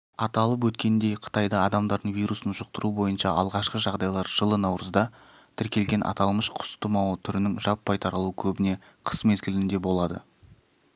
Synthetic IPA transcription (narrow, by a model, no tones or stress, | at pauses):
ɑt̪ɑlˠəp̬wɵt̪kʲe̞nd̪e̞jqʰə̥t̪ɑjd̪ɑɑd̪ɑmd̪ɑɾd̪əɴvijɾusənʒʊq̚t̪əɾubo̞jənʃɑʔɑ̰lˠʁɑʃqəʒɑʁd̪ɑjlˠɑɾʒ̥əlˠənɑwɾəzd̪ɑ | t̪ʰɪɾkʲe̞lɡʲe̞nʔɑ̰t̪ɑlˠməʃqʰʊ̥st̪əmɑwət̪ʰʏɾɪnɪŋʒɑpʰːɑjt̪ʰɑɾɑlˠuəkʲʰɵbɪne̞ | qʰə̥smezɡʲɪlɪnd̪e̞bo̞lˠɑd̪ə̰